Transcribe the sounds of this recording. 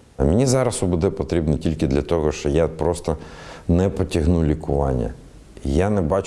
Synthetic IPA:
ɐmʲɪnʲizɑɾɐsʊbud̪ɛpɔt̪ɾʲibnitʲilʲkɪd̪lʲɐt̪ɔɦɔʃt͡ʃɔjapɾɔst̪ɔnɛpɔtʲɐɦnulʲikʊʋɑnʲːɐ̰ | janɛbɑt͡ʃ

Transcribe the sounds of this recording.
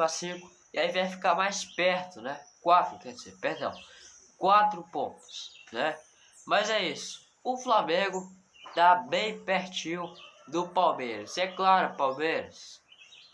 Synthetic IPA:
asĩkʊ̥ | ɪaivajfi̥kaɾmajspɛɾt̪ʊnɛkwafkɛɾd͡ʒɪzḛɾpeɾd̪ɐ̰̃w̃ | kwat̪ɾʊpõ̰t̪ʊ̥snɛ | mɐzɛisʊ̥ | ʊflamẽɡʊ | t̪abẽj̃peɾt͡ʃĩʊd̪ʊpawmejɾɐsɛklaɾʊpawmejɾɐs

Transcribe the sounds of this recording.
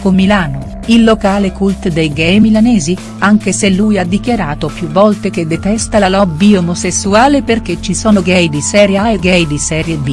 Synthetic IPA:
komːilaːno | ilːokaːlekult̪d̪ejɡɛjmilanɛːzi | aŋk̟eselːujad̪ːikjaɾaːt̪opjuvːɔlt̪ek̟ed̪ːet̪ɛst̪alalɔbːiomosesːuaːleperk̟et͡ʃːisɔːnoɡɛjd̪isɛːɾjaeɡɛjd̪isɛːɾjeb̪i

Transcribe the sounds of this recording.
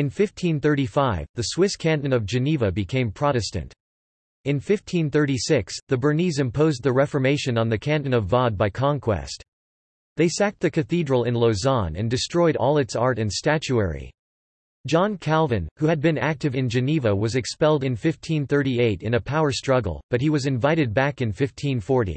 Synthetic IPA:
ɨ̃nfɪftʰĩnθɜ˞ɾifaɪvðɨswɪskʰæ̃nɨ̃nʌvd͡ʒɨnivɨbɨkʰẽɪ̃mpʰɹ̥ɑɾɨstɨ̰̃nt | ɨ̃nfɪftʰĩnθɜ˞ɾisɪksðɨbə˞nizɨ̃mpʰoʊz̚ðɨɹɛfə˞meɪʃɨ̃nə̃nðɨkʰæ̃nɨ̃nʌvɑd̚baɪkʰɑ̃ŋkʰw̥ɛ̰st̚ | ðeɪsæk̚t̪̚ðɨkʰɨθidɹl̩ˠɪ̃nloʊzɑ̃nɨ̰̃ndɨstɹ̥ɔɪɾɔ̰lˠɨtsɑɹɾɨ̃nstæt͡ʃuɛ̰ɹḭ | d̥ʒ̥ɑ̃nkʰælˠvɨ̃nhuɨd̚bɨ̃næk̚tɨvɨ̃nd͡ʒɨnivəwʌzɨkspɛlˠdɨ̃nfɪftʰĩnθɜ˞ɾieɪɾɨ̃nɨpʰaʊə˞stɹ̥ʌɡl̩ˠb̥ʌt̚hiwʌzɨ̃ɱvaɪɾɨd̚bækɨ̃nfɪftʰĩnfɔɹɾḭ

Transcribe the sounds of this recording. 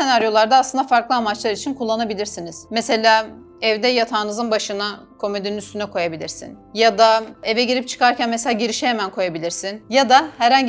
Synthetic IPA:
e̞naɾjo̞lˠaɾd̪aːsˠɯnd̪afaɾklˠɯamat͡ʃlˠaɾit͡ʃʰinkʰulˠːanabilʲiɾsiniz̥mɛse̞lʲaː | ɛvd̪ɛjat̪ʰaːnɯzɯnbaʃɯna | kʰo̞med̪eninyst̪ʰynɛkʰo̞jabilʲiɾsḭnjad̪aevɛɟiɾipt͡ʃʰɯ̥kaɾcʰænmeselʲaːɟiɾiʃɛhemænkʰo̞jabilʲiɾsinjad̪ahæɾhaɲɟ

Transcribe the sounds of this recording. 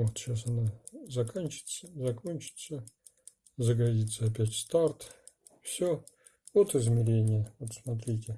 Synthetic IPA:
vot̪ɕasɐnazɐkonʲt͡ɕɪ̥t̪səzɐkonʲt͡ɕɪ̥t̪sə | zəɡɐdʲit̪səɐpʲætʲst̪art̪ | fsʲo | vot̪ɨzmʲɪɾʲenʲɪjəvot̪smɐt̪̬ɾʲitʲɪ

